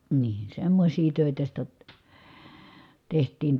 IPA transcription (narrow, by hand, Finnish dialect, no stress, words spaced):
niː semːosʲiː tøˑitæ sitæ tehtˑiːn